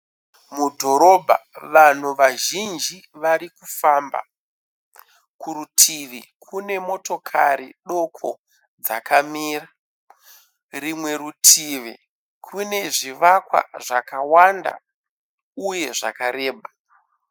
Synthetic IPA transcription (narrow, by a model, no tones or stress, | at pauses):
mudʱo̞ɾo̞bʱa̰ʋan̤uʋaʒind͡ʒiʋaɾikufamba̰ | kuɾutʰiʋikʰune̞mo̞to̞kʰaɾiɗo̞kʰo̰ | d͡za̰kamiːra | rimwe̞ɾutʰiʋi | kʰune̞ʐiʋakwa̰ʐakawanda̰ | uje̞ʐa̰kaɾeːɓa